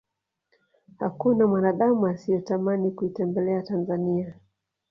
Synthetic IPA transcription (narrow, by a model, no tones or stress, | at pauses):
ha̰kunamwanaɗamuasijɔtamanikuitɛmbɛlɛatanzania